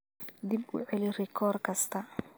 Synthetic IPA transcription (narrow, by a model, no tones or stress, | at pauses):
d̪ibʊ̰ʕɛlɪrɪkʰɔːrkʰɐst̪ʰɐ